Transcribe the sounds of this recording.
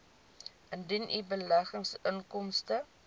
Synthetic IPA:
əndinʔibəlæχəŋsəŋkɔmstə

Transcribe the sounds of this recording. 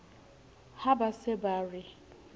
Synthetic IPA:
habasɛbarɪ

